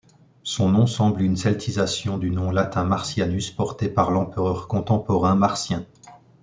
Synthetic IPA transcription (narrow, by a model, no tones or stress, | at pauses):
sɔ̃nɔ̃sɑ̃blynsɛlt̪ʰizasjɔ̃d̪ynɔ̃lat̪ʰɛ̃maʁsjanyspɔʁt̪epaʁlɑ̃pəʁœʁkɔ̃t̪ɑ̃pɔʁɛ̃maʁsjɛ̃